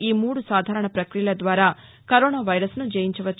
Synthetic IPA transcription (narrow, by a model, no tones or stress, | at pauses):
iːmuːɽusaːd̪ʱaːɾɐɳɐpɾɐkɾijɐlɐd̪ʋaːɾaː | kɐɾoːnaːʋɐjɾɐsnud͡ʒeːjiɲt͡ʃɐʋɐt͡ʃː